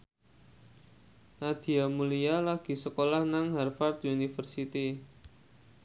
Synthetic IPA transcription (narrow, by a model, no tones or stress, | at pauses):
nad̪̥i̤amulijalaɡ̥i̤səkolahnaŋɦɛrfart̪unifərsit̪i